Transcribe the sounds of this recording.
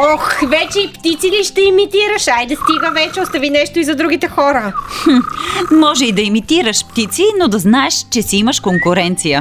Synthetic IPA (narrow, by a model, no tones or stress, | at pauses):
ɔxvɛt͡ʃɛipt̪it̪siliʃt̪ɛɛmit̪iɾəʃajd̪ɐst̪iɡəvɛt͡ʃɛost̪ɐvinɛʃt̪oizɐd̪ɾuɡ̟it̪ɛxɔɾə | mɔʒɛid̪ɐɛmit̪iɾəʃpt̪it̪sinod̪ɐznaɛʃt͡ʃɛsiiməʃkoŋkʊɾɛnt̪sijə